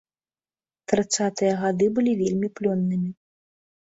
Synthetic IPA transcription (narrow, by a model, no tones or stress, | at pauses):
t̪ɾɨt̪sat̪ɨjɐɣad̪ɨbɨlʲivʲelʲmʲiplʲɔnːɨmʲi